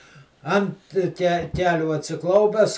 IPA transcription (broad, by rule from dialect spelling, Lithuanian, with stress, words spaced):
ˈɐnt kʲɛ ˈkʲæːlʲuː ɐtʲsʲɪˈklˠɐʊpʲɛs